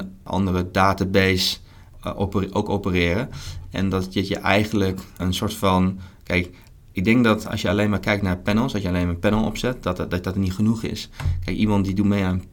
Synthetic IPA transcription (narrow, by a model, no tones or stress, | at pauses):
ʔɑ̰ndərədaːtabes | pʔowkopərɪəɾəɛ̰ndɔtjɪtjəʔɛjɣən̩ləkənsoɹtfɔnkɛɪk | ɪɡ̚dɛŋk̚dɔtɔ̰sjəaleːnmaɹkɛjk̚tnapɛnəl̩ˠsɔsjəaleːnmapɛnəl̩ˠo̰psɛttdɔtənitxənuxɪ̰skɛjkimɔntdidumeən